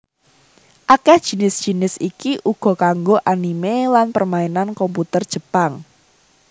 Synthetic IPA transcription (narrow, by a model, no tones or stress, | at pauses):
ʔakɛhd̥ʒ̥i̤nɪsd̥ʒ̥i̤nɪsikiʔuɡ̥ɔ̤kaŋɡoʔanimelanpərmaenankɔmput̪ərd̥ʒ̥ə̤paŋ